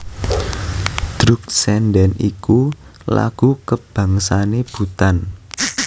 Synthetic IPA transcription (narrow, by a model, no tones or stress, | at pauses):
d̪̥ɾʊk̚sɛndɛnikula̰ɡ̥ukəb̥a̤ŋsaneb̥ṳt̪an